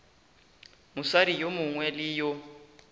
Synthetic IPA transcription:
mʊsaɾijomʊŋwɛlɪjʊ

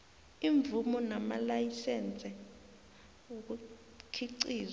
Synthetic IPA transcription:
iɱvumɔnama̰lajisɛnt͡sʼɛ | ok̬u | kʰiǀiːz

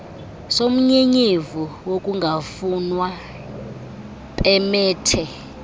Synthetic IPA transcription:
som̩ɲeɲevuwokʼuŋɡʱafunwa | pʼɛmɛːtʰɛ

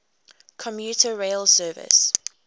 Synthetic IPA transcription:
kʰɔ̃mjuːˑtʰəɹeɪlsɜːvɪ̰s

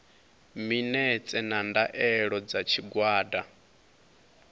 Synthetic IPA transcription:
minɛt͡sʼɛnandaʔɛɺɔd͡zat͡ʃʰiɡwaːda

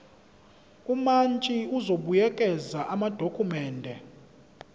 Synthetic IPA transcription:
umant͡ʃʼiuzoɓujɛkʼɛzaʔamad̥ʱokʰumɛːndʱɛ

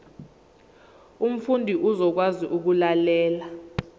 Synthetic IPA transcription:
um̩fundʱiʔuzɔk̬waziʔuk̬ulalɛːla

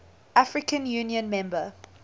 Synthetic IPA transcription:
ʔafɹɪkə̃njuːniə̃nmɛ̃mbə

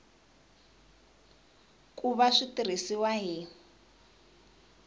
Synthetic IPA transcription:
kʼuβaʂitir̤isiwaɦi

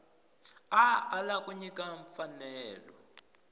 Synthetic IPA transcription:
aːlakuɲikʼaɱfanɛːlɔ

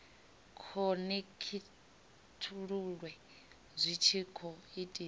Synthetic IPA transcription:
kʰɔnekʰi | tʰuɺuɺwɛ | zʷit͡ʃʰikʰɔitʼi

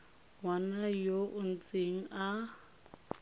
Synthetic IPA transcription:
wanajoʔʊn̩t͡seŋ̩a

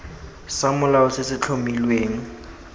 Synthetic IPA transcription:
samʊlaʊsɪsɪt͡ɬʰomilweːŋ̩

